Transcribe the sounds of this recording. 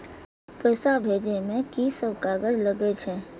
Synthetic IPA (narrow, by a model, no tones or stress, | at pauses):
pəːsabʱeːd͡ʒemẽkisəbkaːɡəd͡ʒləɡet͡ʃʰɛː